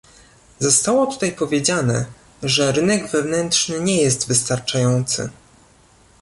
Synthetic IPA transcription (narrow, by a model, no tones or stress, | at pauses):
zɔst̪awɔt̪u̥t̪ajpɔvʲjed͡ʑanɛ | ʐɛɾɘnɛɡvɛvnɛnt̪ʂnɘɲɛjɛst̪vɘst̪aɾt͡ʂajɔnt̪sɘ̰